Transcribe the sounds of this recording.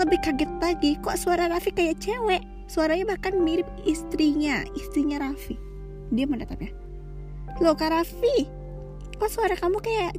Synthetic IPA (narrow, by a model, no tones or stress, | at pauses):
ləbɪhkaɡɪt̪̚laɡikɔʔsuaɾaɾafikajaʔt͡ʃewɛʔ | suaɾaɲabahkanmiɾɪp̚ist̪ɾiɲaist̪ɾiɲaɾafi | diaməndat̪ap̚ɲa | lokaɾafi | kɔʔsuaɾakamukajaʔ